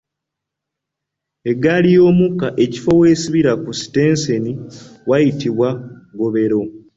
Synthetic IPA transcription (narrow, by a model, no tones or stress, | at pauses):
e̞ɡalijo̞ːmukːaʔe̞ci̥fo̞we̞ːsiβiɾakusi̥te̞ːnseniwajitiβwaɡo̞βe̞ɾo̞